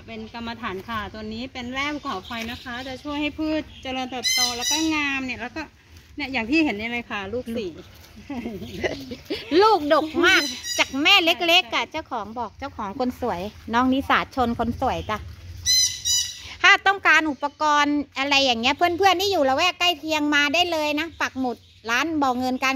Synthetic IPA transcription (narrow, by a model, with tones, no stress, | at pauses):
pe˧nka˧mːa˧t̪ʰaː˩˦nkʰaː˧˩t̪ɔː˧nːiː˦˥pe˧nlɛː˥˩u˧˩kʰɔː˨˩˦pʰa˧jna˦˥kʰa˦˥t͡ɕ̪a˨˩t͡ɕʰu˥˩əjha˥˩jpʰɯː˥˩t̪̚t͡ɕa˧lɤː˧nt̪ɯ˨˩p̚t̪ɔː˧lɛ˦˥wkɔː˥˩ŋaː˧mni˧˩lɛː˦˥wkɔː˥˩ | ni˥˩jaː˨˩ŋt̪ʰiː˥˩he˨˩˦nːa˧˩ɾa˧jkʰaː˧˩luː˥˩k̚siː˨˩ | luː˥˩k̚do˨˩k̚maː˥˩k̚t͡ɕaː˨˩k̚mɛː˥˩le˦˥k̚le˦˥kːa˧˩t͡ɕa˥˩wkʰɔː˩˦ŋbɔː˨˩k̚t͡ɕa˥˩wkʰɔː˩˦ŋkʰo˧nsu˨˩˦əjnɔː˦˥˩ŋni˦˥saː˨˩˦t̪̚t͡ɕʰo˧nkʰo˧nsu˨˩˦əjt͡ɕa˨˩ | t̪ʰaː˥˩t̪ɔ˥˩ŋkaː˧nʔu˨˩pːa˧kɔː˧nʔa˧ɾa˧jːaː˨˩ŋni˦˥ɐpʰɯ˥˩ənpʰɯ˥˩ənːiː˥˩˨juː˨˩la˧˦wɛː˥˩ka˥˩jt̪ʰi˧əŋmaː˧daː˥˩jlɤː˧jna˦˥pa˨˩k̚mu˨˩t̪̚ | laː˦˥nbɔː˨˩ŋɤ˧nka˧